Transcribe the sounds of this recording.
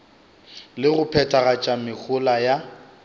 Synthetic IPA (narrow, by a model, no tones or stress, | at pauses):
lɪɣʊpʰɛtʼaɣat͡ʃʼamɪk͡xʰʊlaja